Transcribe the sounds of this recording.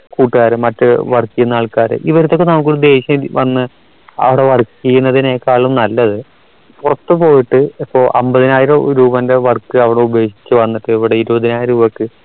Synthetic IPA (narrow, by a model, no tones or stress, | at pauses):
kuːʈːɨɣaːɾɨmɐtːɨʋɐrkːijunːaːɭkaːɾɨ̰ʔiʋɐɾɐt̪ːo̞kːenɐmːɐk̬ʲːoɽid̪e̞ːɕjɐmʋɐnːɨ | ɐ̰ʋiɽe̞ʋɐrkːijunːɐðineːkːaːɭumnɐlːɐðɨ | purɐt̪ːɨpo̞ːjiʈːɨipːo̞ːɭʔɐ̰mbɐðinaːjiɾɐmɾuːbɐnde̞ʋɐrkːɨɐʋiɽeube̞ːʂi̥t͡ɕːɨʋɐnːiʈːɨiʋiɽeiɾubɐðinaːjiɾɐɾuːbɐkːɨ